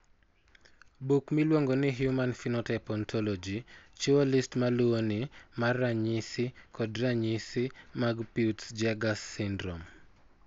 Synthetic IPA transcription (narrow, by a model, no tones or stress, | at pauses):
bukmilwoŋɡonɪɦjumanfinɔtɛpɔntʰɔlɔd͡ʒit͡ʃualistmaluonɪmarːaɲisɪkɔdraɲisɪmaɡpiutsd͡ʒɛɡasːɪndɾɔm